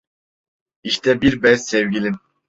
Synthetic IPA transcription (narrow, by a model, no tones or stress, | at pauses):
iʃt̪ʰɛbiɾbɛzsɛvɡʲilʲi